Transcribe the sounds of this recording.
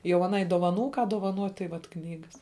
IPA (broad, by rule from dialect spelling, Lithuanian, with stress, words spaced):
jɛʊ ɐˈnɐɪ doːʋɐˈnuː kɑː doːʋɐˈnuɔtʲ tɐɪ ˈʋɐt ˈknʲiːɡɐs